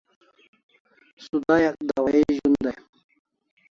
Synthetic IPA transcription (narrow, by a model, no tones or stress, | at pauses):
sud̪ajakd̪awaeʒund̪a